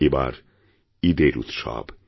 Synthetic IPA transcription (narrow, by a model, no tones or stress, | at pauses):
eba̰ɾ | id̪eɾṵt̪ʃa̰ːb